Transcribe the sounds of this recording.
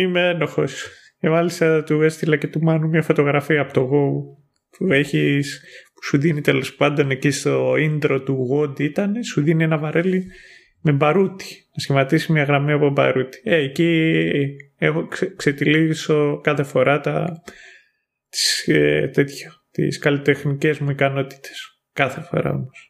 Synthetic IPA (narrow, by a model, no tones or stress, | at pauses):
imeeno̞xo̞s | ce̞mɐlist̪ɐt̪uest̪ilɐce̞t̪umɐnumɲɐfo̞t̪o̞ɣɾɐfiɐpot̪oɣou | pueçispu̥suðinit̪e̞lo̞spɐnd̪o̞necist̪o̞ind̪ɾo̞t̪uɣo̞nd̪iit̪ɐnesuðinienɐvɐɾe̞li | me̞bɐɾut̪i̥nɐsçimɐt̪isimɐɣɾɐmiɐpobɐ̰ɾut̪i̥eeci | exokset̪iliso̞kɐθe̞fo̞ɾɐt̪ɐ | t̪i̥set̪e̞t̪ço̥t̪ḭskɐlit̪e̞xnice̞zmuikɐno̞t̪i̥t̪e̥s | kɐθe̞fo̞̰ɾɐ̰o̞̰mos